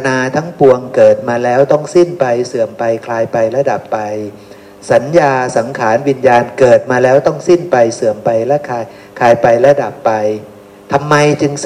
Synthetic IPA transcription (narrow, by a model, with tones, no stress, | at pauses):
naː˧t̪ʰa˦˥ŋpu˧əŋkɤː˨˩t̪̚maː˧lɛː˦˥wt̪ɔ˥˩ŋsi˥˩npa˧jsɯ˨˩əmpa˧jkʰlaː˧jpa˧jla˧˥da˨˩pːa˧j | sa˩˦njaː˧sa˩˦ŋkʰaː˩˦nwi˧njaː˧nkɤː˨˩t̪̚maː˧lɛː˦˥wt̪ɔ˥˩ŋsi˥˩npa˧jsɯ˨˩əmpa˧jlɛ˦˥kʰaː˧j | kʰaː˧jpa˧jla˧˥da˨˩pːa˧j | t̪ʰa˧mːa˧jt͡ɕɯ˧ŋ